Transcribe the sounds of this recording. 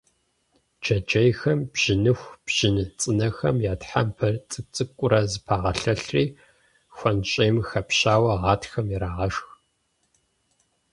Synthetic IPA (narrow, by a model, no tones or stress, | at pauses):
d͡ʒɐd͡ʒɐjxɐmbʒ̥ɪnɨxʷb̥ʒ̥ɪnɨt͡sʼɨnɐxɐmjaːtħampʰɐrt͡sʼɨt͡sʼɨkʷʼʊɾɐzɨpʰaːʁɐɬɐɬriː | xʷɐnɕʼejmxɐpɕaːwɐʁɑːtxɐmjiɾaːʁɐʂx